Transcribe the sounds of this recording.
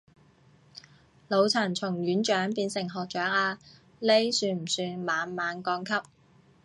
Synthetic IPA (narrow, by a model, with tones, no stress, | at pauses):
lo˨˧wt͡sʰɐ˨˩nt͡sʰʊ˨˩ŋɥyː˨˥nt͡ʃœː˨˥ŋpiː˧nsɪ˨˩ŋɦɔː˨k̚t͡ʃœː˨˥ŋaː˧ | le˥jsyː˧nm̩˨˩syː˧maː˨˧nmaː˨˧nkɔː˧ŋkʰɐ˥p̚